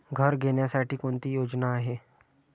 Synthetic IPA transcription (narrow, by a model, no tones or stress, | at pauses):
ɡʱəɾɡʱeɳjasaʈiːkoɳt̪iːjod͡ʑnaːɦe